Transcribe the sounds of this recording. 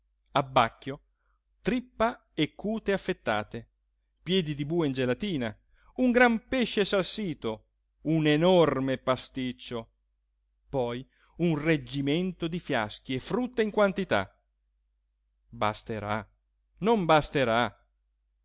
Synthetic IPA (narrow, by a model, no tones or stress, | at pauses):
abːakːjo | t̪ɾipːa | ekːuːt̪eafːet̪ːaːt̪e | pjɛːd̪id̪ibuːeind͡ʒelat̪iːna | uŋɡɾampeʃːesalsiːt̪o | unenɔrmepast̪it͡ʃːo | pɔj | unred͡ʒːiment̪od̪ifja̰sk̟iefɾut̪ːeiŋkwant̪it̪a̰ | ba̰st̪eɾa | nombast̪eɾa